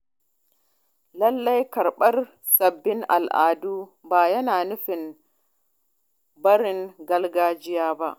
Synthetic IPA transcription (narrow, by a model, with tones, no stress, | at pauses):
lɐ˦lːɐ˦jkɐ˨ɾɓɐ˦r | sɐ˨bːɪ˦ŋʔa̰˨lʔa̰ː˨duː˦baː˨jɐ˦naː˨nʊ˦ɸɪ˨n | bɐ˦ɽɪ˨ŋɡɐ˦lɡaː˦d͡ʒɪ˦jaː˦ba˦ʔ